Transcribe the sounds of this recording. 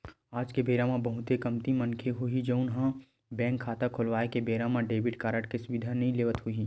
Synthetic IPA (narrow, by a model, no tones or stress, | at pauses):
aːd͡ʒkebeːɾãmãbɐɦʊt̪ekɐmt̪imənkʰeɦoid͡ʒəʊnɦã | bɛ̃ːŋkʰːaːt̪akʰolʋaːekebeːɾãmãɖeːbɪʈkaːɾəʈkesʊʋɪd̪ʱanɐɦĩleːʋət̪ɦui